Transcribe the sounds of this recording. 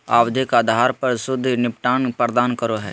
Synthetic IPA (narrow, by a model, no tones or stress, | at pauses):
a̰ːwd̪ʱɪkad̪ʱaːɾpɐɾsʊd̪ʱːnɪpʈaːnpəɾd̪aːnkəɾoɦɛ̰ː